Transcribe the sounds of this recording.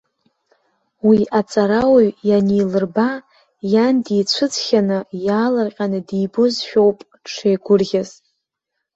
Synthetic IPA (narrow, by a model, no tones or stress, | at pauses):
wiat͡sʼaɾawɥjaniːlɨrba | jandit͡ɕʷʰʊt͡sʰχʲanɨjaːlarqʲʼanɨdiːbo̞zʃᶣowpʼ | ʈ͡ʂʰejɡʷʊrɣʲaz